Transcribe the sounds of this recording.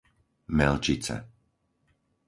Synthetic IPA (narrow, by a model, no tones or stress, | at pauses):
mɛlt͡ʃit͡sɛ̰